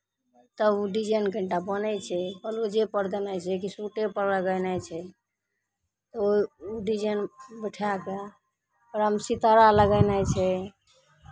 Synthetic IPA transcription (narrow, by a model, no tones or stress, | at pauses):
t̪əbuɖid͡ʒənkəɳʈabənɛt͡ʃʰɛpəlod͡ʒepəɾd̪enajt͡ʃʰɛkisuʈepəɾləɡəjnajt͡ʃʰɛ | t̪ɔoiuɖid͡ʒənbəʈʰaka | pəɾəmsit̪əɾaləɡəjnajt͡ʃʰɛ